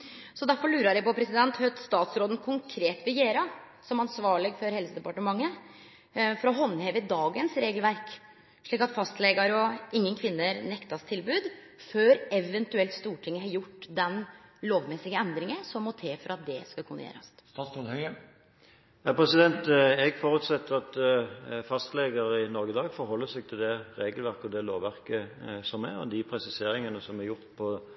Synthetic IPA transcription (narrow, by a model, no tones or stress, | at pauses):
sɔd̪æɾfɔɾɭʉːɾɑɾjæɪpɔpʰɾɛsɪd̪ɛnt̪hœt̪st̪ɑːt̪sɾoːd̪n̩kʰʊŋkʰɾeːt̪ʋɪjeːɾɑ | sɔmɑnsʋɑːɭɪɡfɔɾhɛlsəd̪ɛpɑʈəmɑŋːə | fɔɾɔɦɔnːhɛʋəd̪ɑːɡənsɾeːɡəlʋæɾk | ʂɭiːkɑt̪fɑst̪lɛɡɑɾɔɪŋːənkʰʋɪnːəɾnɛkt̪ɑst̪ʰɪlbʉːd̪ | føːɾɛʋɛnt̪ʉɛlt̪st̪uːʈʰɪŋːəhɑɾjʊʈːd̪ɛnloːʋmɛsɪɡəɛnd̪ɾɪŋənsɔmːɔt̪ʰeːfɔɾɑt̪̚d̪ɛskɑkʰʊnəjḛːɾɑ̰st̪st̪ɑːsɔnhœə | jæpʰɾɛsɪd̪ɛnt̪ɛɡfɔʁʉːt̪sɛt̪ːəʁɑt̪ | fɑst̪lɛɡɑɾɪnɔɾɡəd̪ɑːɡfɔɾhɔlːəsɛɡ̚t̪ʰɪld̪ɛɾeːɡəlʋæʁkəɔd̪ɛloːʋʋæʁkəsɔmɛɾɔ̰d̪ɪpʰɾɛsɪseːɾɪŋənəsɔmɛɾjʊʁt̪pʰɔ